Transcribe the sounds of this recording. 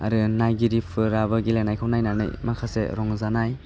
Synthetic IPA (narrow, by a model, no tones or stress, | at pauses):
a̰ɾɯnajɡiɾipʰɯɾaβɯɡilenajkʰawnajnanɯ̰jmakʰasḛɾɔŋzanaj